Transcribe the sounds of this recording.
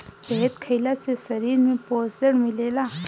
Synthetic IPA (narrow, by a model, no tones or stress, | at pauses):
seɦət̪kʰəɪlasesɐɾiːɾmẽpoːsəɽmɪleːlaː